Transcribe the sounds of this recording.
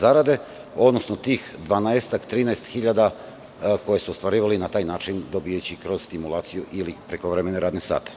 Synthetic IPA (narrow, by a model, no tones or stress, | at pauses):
zaɾad̪e̞ | o̞d̪nosnot̪iːxd̪ʋanaest̪akt̪ɾiːnaest̪xiʎad̪a | ko̞je̞suost̪ʋaɾiːʋalinat̪aːjnaːt͡ʃind̪obijet͡ɕikɾo̞zst̪imulˠaːt̪sijuʔilipɾekoʋɾemeneɾaːd̪nesa̰ːt̪e̥